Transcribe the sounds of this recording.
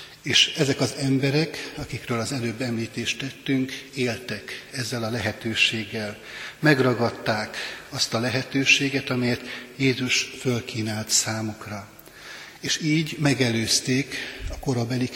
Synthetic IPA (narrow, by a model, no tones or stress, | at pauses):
eːʃɛzɛkɒzɛmbɛɾɛkɒkikrøːlɒzɛløːbːɛmliːt̪eːʃt̪ɛt̪ːyŋkeːlt̪ɛkɛzːɛlɒlɛɦɛt̪øːʃeːɡːɛl | mɛɡrɒɡɒt̪ːaːkɒst̪ɒlɛɦɛt̪øːʃeːɡɛt̪ɒmɛjɛt̪jeːzuʃfølkʰiːnaːlt̪saːmukrɒ | eːʃiːɟmɛɡɛløːst̪eːkɒko̞ɾobɛli